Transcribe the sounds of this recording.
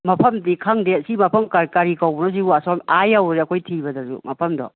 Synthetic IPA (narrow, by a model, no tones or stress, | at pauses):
mɐpʰɐmdikʰaŋdesimɐpʰɐmkakaɾikawbɐnos̬ibuasɔmajawɾiɐkʰojtʰibɐdɐzṵmɐpʰɐmdɔ̰